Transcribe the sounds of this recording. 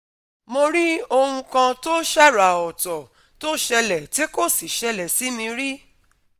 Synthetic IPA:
mo˧ɾi˦o˧hũ˧kã˧to˦ʃa˦˨ɾa˨ɔ˨tɔ˨ | to˦ʃɛ˧lɛ˨ti˦ko˦˨si˨ʃɛ˧lɛ˨si˨˦mĩ˧ɾi˦

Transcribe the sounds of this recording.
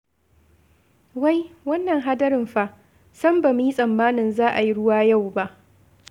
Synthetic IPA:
wa˦jwɐ˦nːɐ˨ŋɦa˦dɐ˦ɾɪ˨mɸa˦ʔ | sɐ˦mba˨m˦ji˦sʼɐ˨mːaː˦nɪ˨nzaː˦ʔa˨ji˦ɽʊ˦waː˦ja˦˨wba˦ʔ

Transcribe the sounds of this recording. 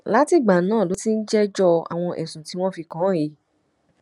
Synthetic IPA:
la˦ti˦˨ɡ͡ba˨nãː˦˨lo˨˦ti˦n̩˦d͡ʒɛ˦d͡ʒɔ˧a̰˨w̃ɔ̃˧ʔɛ˨sũ˨ti˨˦w̃ɔ̃˦fi˧kã˨˦e˨˦

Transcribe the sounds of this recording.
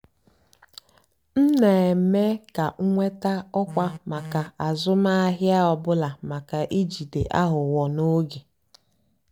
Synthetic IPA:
n̩˦ne˨e˨me˦ka˨ŋ̩˦ŋʷe˦ta˦ɔ˦kʷa˦ma˨ka˨a˨zʊ˦ma˦a˦ɦja˦ɔ˨bʊ˦la˨ma˨ka˨ʔi˦d͡ʒi˨de˨ʔa˦ɦʊ˨wɔ˨no˦ɡe˨

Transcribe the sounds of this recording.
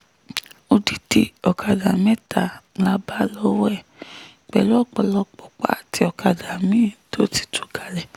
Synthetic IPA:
o˧di˨di˧˦ɔ˨kʰa˨da˨mɛ˦ta˦˨la˦ba˦lɔ˦wɛ˦˨ | k͡pɛ˨lu˦ɔ˦˨k͡pɔ˨lɔ˧k͡pɔ˨k͡pa̰˦˨ti˧ɔ˧ka˨da˨mĩ˦˨tʰo˦ti̥˦˨tʰu˨˦ɡa˨lɛ˨

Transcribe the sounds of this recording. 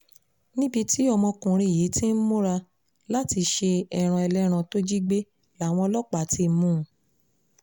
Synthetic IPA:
nĩ˦bi˧ti˦ɔ˧mɔ̃˧kũ˨ɾ̃ĩ˧˨je˨˦ti˦n̩˦mũ˦ɾa˧ | la˦ti˧ʃe˧ɛ˧ɾ̃ã˧ɛ˧lɛ˦ɾ̃ã˧to˦d͡ʒi˦ɡ͡be˦ | la˨˦˨w̃ɔ̃˧lɔ˦k͡pa˨ti˦˧˦mũ˦

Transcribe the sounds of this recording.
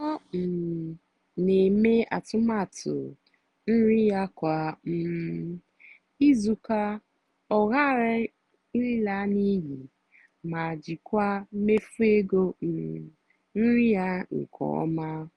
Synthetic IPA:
ɔ˦m̩˨ | ne˨me˦a̰˨tʊ˦ma˦˨tʊ̰˨ | n̩˦ɾi˦ja˦kʷa˦m̩˦ | i˦zu˨ka˦ | ɔ˨ɣa˦˨ɾɪ˦ | n˦i˦la˦ni˦ɦi˨ | ma˨d͡ʒi˨kʷa˦me˦fu˦e˦ɡo˦m̩˨ | n̩˦ɾi˦ja˦ŋ̩̰˨kʰɔ̰ː˨ɔ̰˦ma˦

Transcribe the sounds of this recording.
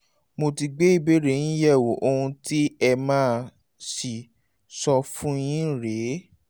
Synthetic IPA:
mo˧ti˧ɡ͡be˦i˦˨be˦ɾe˦˨ñ̩˦jɛ˦˨wo˨˦ʔo˧ũ˧ti˦ɛ˧mãː˦˧ | si˨ | sɔ˧fũ˦j̃ĩ˦˨ɾe˨˦

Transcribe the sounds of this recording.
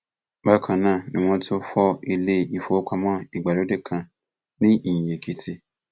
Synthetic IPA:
ba˦kʰã˧nãː˦˨nĩ˨˦w̃ɔ̃˧to˦fɔ˦i˧le˦i˧fo˨˦ka˧mã˦˨i˨ɡ͡ba˨lo˦de˦˨kʰã˧ | nĩ˦ĩ˦˨je˨kʰi˧ti˧

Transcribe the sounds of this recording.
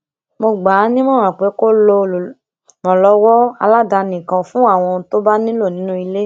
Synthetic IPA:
mo˧ɡ͡ba˨˦nĩ˦mɔ̃˦˨ã˨k͡pe˨˦ko˦lo˧˨ | mɔ̃˨lɔ˨˦wɔ˦a̰˧la˦da˧nĩ˨kã˨fũ˦a˦˨w̃ɔ̃˧to˦ba˦nĩ˦lo˦˨nĩ˨˦nũ˦i˧le˦

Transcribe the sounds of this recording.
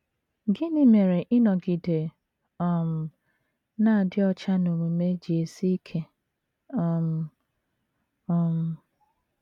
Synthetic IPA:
ɡɪ˦nɪ˦me˨ɾe˨ʔɪ˦nɔ˨ɡi˨de˨ | ɔ˨m̩˨ | na˦˨dɪ˦ɔ˦t͡ʃa˦no˨mo˨me˦d͡ʒi˨e˨si˦kʰe˦ | ɔ˨m̩˨ | ɔ˦˨m̩˨

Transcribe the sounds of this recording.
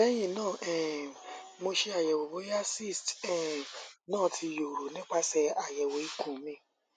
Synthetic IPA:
ɛ˦j̃ĩ˦˨nãː˦˨ʔɛ˦˨ | mo˧ʃe˧a˨jɛ˨wo˨bo˨˦a˦si˦˨stɛ˨nãː˦˨tʰi˧jo˨ɾo˨nĩ˦k͡pa˦sɛ˧a˨jɛ˨wo˨˦i˦kũ˦˨˦mĩ˦

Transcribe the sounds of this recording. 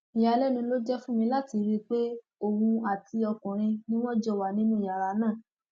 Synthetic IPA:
i˨ja˨˧lɛ˦nĩ˧lo˦d͡ʒɛ˦fũ˦mĩ˧la˦˨ti˧ɾi˦k͡pe˦ | o˨wũ˧a˨tʰi˧ɔ˧kɔ̃˨ɾ̃ĩ˧nĩ˦w̃ɔ̃˦d͡ʒɔ˦˨wa˨nĩ˦nũ˦˨ja˨ɾa˨˦nãː˦˨

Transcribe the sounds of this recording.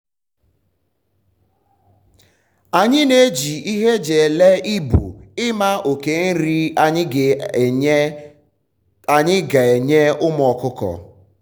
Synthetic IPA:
a˨ɲɪ˦ne˨˦d͡ʒi˨ʔi˦ɦe˦d͡ʒe˨le˦ʔi˦bṵ˨ɪ˦ma˦o˨ke˨n̩˦ɾi˦ɲɪ˦˨˦ | a˨ɲɪ˦ɡa˨e˨ɲe˦ʊ˦m˦˨ɔ˨kʊ˦kɔ̰˨

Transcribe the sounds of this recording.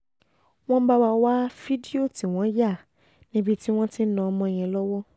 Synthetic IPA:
w̃ɔ̃˦ba˦ba˧wa˦fi˦di˦o˦˨ti˨w̃ɔ̃˦ja˦˨ | nĩ˦bi˦ti˦w̃ɔ̃˦ti˦nã˨˦mɔ̃˧˨j̃ɛ̃˨lɔ˦wɔ˦

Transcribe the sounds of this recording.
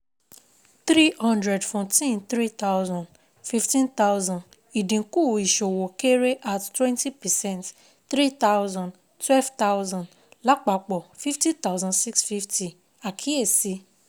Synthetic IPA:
θɾi˦hɔ̃˦ndɾɛ˨dfɔ˨tĩ˦nt̪ɾi˦t̪a˦wzã˨nd | fi˦ftĩ˦nt̪a˦wzã˨nd | i˨dĩ˨ku˦˨i˨ʃo˨wo˨ke˦ɾe˦ʔa˨ttwɛ̃˦nti˦pɛ˨sɛ̃˦˨nt | tɾi˦t̪a˦wzã˨nd | twɛ˦lvt̪a˦wzɔ̃˨nd | la˦k͡pa˨k͡pɔ˨fi˦ftĩ˦t̪a˦wzã˨ndsi˦ksfi˦fti˧ | a˨kʰi˨˦e˦˨si˦

